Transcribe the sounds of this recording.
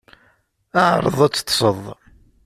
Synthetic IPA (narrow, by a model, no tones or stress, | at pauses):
aʕɾˤə̰ðˤæt͡sːt̪ːsˤəðˤ